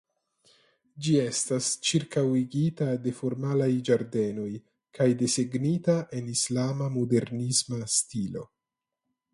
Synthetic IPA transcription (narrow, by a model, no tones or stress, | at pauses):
d͡ʒie̞stast͡ʃiɾkawiɡitade̞fo̞ɾmalajd͡ʒaɾde̞no̞j | kʰajde̞seɡnitaʔe̞nislamamode̞ɾnismastilo̞̰